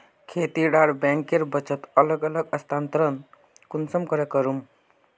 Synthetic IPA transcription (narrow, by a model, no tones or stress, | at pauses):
kʰeːt̪iɖaɽbɛ̃ŋkeɾbət͡ʃət̪ələɡələɡəst̪ʰaːnt̪ɾən | kunsəmkəɾekəɾum